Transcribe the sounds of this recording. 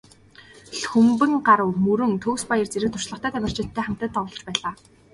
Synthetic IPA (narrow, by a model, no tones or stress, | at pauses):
ɬxɵmpɘ̆ŋɢaɾə̆wmɵɾɵ̆ŋt̪ʰɵːwspajə̆rt͡seɾɘ̆k̚t̪ʰʊ̥ʃɮə̆χt̪ʰæːt̪ʰæmʲɪ̆r̥t͡ɕɪ̆t̪ʰːæːχam̥t̪ə̆t̪ːɔwɮɞ̆t͡ɕpæːɮaː